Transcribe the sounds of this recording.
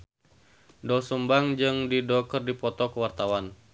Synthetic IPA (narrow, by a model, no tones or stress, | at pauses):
dɔsəmbaŋd͡ʒɨŋdidɔkərdipɔt̪ɔkəwart̪awan